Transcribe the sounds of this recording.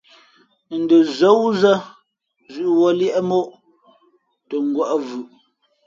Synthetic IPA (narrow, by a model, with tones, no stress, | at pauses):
n̩˨də˨zə˦wzə˦ | zʉ˦ʔwɔ˦ljɛ˦ʔɛ˦mo˦ʔ | tə˨ŋ̩˦ɡwə˦ʔvʉ˨ʔ